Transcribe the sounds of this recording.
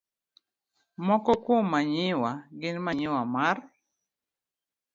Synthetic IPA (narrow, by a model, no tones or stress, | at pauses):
mɔkɔkwomːaɲɪwaɡɪnmaɲɪwamar